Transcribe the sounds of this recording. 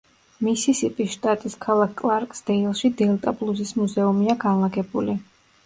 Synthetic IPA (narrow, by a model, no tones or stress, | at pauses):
misisip̪ʼisʃt̪ʼat̪ʼiskʰalˠakkʼlˠaɾkʼsd̪̥ɛilˠʃid̪ɛlˠt̪ʼablˠuzismuzɛumiaɡanlˠaɡɛbuli